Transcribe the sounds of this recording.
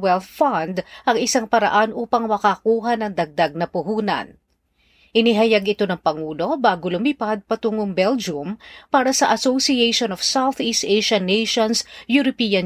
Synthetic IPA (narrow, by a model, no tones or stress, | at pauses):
wɛlθfand̪ʔɐŋɪsaŋpɐɾɐ̰ʔanʔuːpɐŋmɐkakuːɦɐnɐŋd̪ɐɡ̚d̪aɡ̚nɐpʊɦuːnɐ̰n | ʔɪnɪɦɐjaɡɪt̪o̞nɐŋpɐŋuːlo̞baːɡolʊmipad̪̚pɐt̪uŋoŋbɛld͡ʒʊmpaːɾɐsɐʔɐsowsiejʃonɔfsawθʔist̪ʔejʃɐnːejʃonsjʊɾopiːɐn